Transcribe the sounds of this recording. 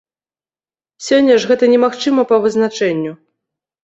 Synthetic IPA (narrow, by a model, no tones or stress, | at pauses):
sʲɔnʲːɐʂɣɛt̪ɐnʲɛmaxt͡ʂɨmɐpɐvɨznat͡ʂɛnʲːu